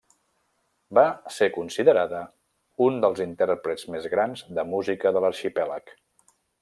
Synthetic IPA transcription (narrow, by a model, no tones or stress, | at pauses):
basekunsiðəɾaðə | und̪əlˠzint̪ɛɾpɾəd͡zmezɣɾanzd̪əmuzikəðələɾʃipɛlək